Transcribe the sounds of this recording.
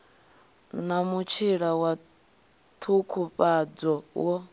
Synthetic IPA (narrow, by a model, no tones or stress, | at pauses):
namut͡ʃʰiɺawa | t̪ʰukʰupʼad͡zɔwɔ